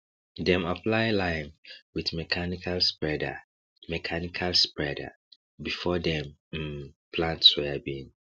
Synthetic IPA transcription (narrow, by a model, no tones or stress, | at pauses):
dɛ̃mapʰlaɪlãɪ̃nwiθmɛkʰanikʰalspɹɛda̰ | mɛkʰanikʰalspɹɛda̰ | bifɔdɛ̃m̩ | pʰlãntsɔabĩn